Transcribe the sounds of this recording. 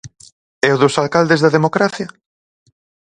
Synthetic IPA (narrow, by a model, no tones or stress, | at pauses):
ɛoðosalkald̪ezðɐðemokɾaθja